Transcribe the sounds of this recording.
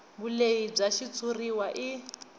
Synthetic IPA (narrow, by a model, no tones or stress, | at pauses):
buleib͡ʐaʃit͡sʰʼuriwaʔi